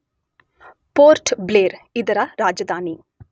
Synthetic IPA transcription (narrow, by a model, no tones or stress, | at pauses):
poːɾʈbleːɾid̪ɐɾɐɾaːd͡ʒɐd̪aːni